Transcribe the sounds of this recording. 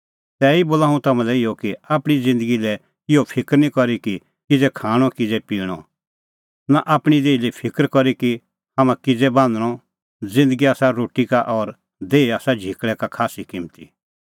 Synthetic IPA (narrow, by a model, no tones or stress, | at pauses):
t̪ɛːiboːlaːũt̪ɐmãlɛɪjɔkiaːpɽ̃id͡zɪ̃nd̪əɡilɛ | ɪjɔpʰɪkɾnĩkɔɾiki | kɪd͡zɛkʰaːɽ̃ɔkɪd͡zɛpiːɽ̃ɔ | naʔaːpɽ̃id̪eːilipʰɪkəɾkɔɾiki | hamãkɪd͡zɛbãːnd̪əɽ̃ɔ | d͡zɪ̃nd̪əɡiaːsaɾoːʈikaʔɔɾ | d̪eːiaːsad͡ʒʱɪkɭɛkakʰaːsikɪmt̪ḭ